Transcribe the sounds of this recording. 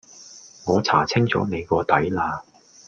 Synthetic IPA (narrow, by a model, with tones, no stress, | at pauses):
ŋɔː˨˧t͡sʰa̰ː˨˩t͡sʰɪ˥ŋt͡sɔ̰ː˨˥ne˨˧jkɔː˧t̪ɐ˨˥jlaː˧